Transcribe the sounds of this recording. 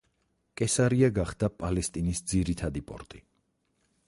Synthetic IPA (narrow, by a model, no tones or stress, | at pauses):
kʼɛsaɾiaɡaχd̪apʼalɛst̪ʼinisd̪ziɾit̪ʰad̪ipʼɔ̰ɾt̪ʼi